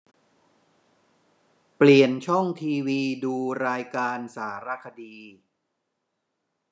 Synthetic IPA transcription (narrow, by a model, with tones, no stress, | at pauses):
pli˨˩ənt͡ɕʰɔ˥˩ŋt̪ʰiː˧wiː˧duː˧ɾaː˧jkaː˧nsaː˩˦ɾa˧kʰa˧diː˧